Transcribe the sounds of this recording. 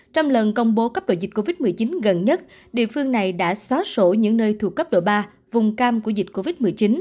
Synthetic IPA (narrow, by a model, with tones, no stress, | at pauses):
t͡ɕɔ˧wŋ͡mlə˨˩nkə˧wŋ͡mɓo˨˦kaː˦˥p̚ɗo̰˧˨jzi̟˨˩ko˧vi˦˥t̚mɨ˨˩əjt͡ɕi˨˦nɣə˨˩nɲə˦˥t̚ | ɗḭ˧˨əfɨ˧əŋna˨˩jɗa̰ː˧˥sɔ˨˦so˧˩ɲɨ̰˧˥ŋnəː˧jt̪ʰu˨˩kːə˦˥p̚ɗo̰˧˨jɓaː˧ | vʊ˨˩ŋ͡mkaː˧mku˧˩əzi˨˩t̟̚ko˧vi˦˥t̚mɨ˨˩əjt͡ɕi˨˦n